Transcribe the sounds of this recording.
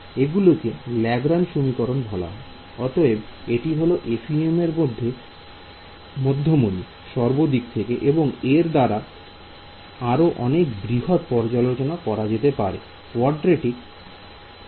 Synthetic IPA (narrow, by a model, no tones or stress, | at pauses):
eɡulokelɛɡɾanʃomikɔɾonbʱɔla̰ɦɔe | ɔt̪oebeʈiɦoloʔefʰiemeɾmod̪ʱːe | mɔd̪ʱːomoni | ʃɔɾbod̪ikt̪ʰekeʔeboŋeɾd̪aɾa | aɾoʔɔnekbɾiɦot̪̚pɔɾd͡ʑalot͡ɕonakɔɾad͡ʑet̪epaɾḛ | kwɔɾɖɾeʈi